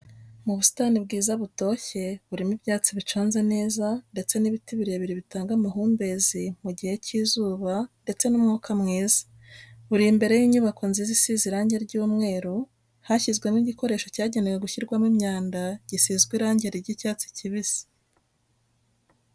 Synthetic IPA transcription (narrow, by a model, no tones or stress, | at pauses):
muβusi̥tanib̚ɡiːzaβuto̞ːçe̞βuɾimibjaːt͡siβit͡ʃoːnze̞ne̞ːzande̞t͡se̞niβitiβiɾeβiɾiβitaːŋɡamaɦuːmbe̞zimuɟihe̞ciːzuːβande̞t͡se̞numŋuːkamŋiːzḁ | βuɾimbe̞ɾe̞jiɲuβako̞nzizisiziɾaːɲɟe̞ɾɟuːmŋe̞ːɾo | haçizɡwe̞niɟiko̞ɾe̞ːʃo̞caːɟe̞newe̞ɡuçiɾɡwamimɲaːndaɟ̥isizɡwiɾaːɲɟeɾiɾɟicaːt͡si̥ciβizi̥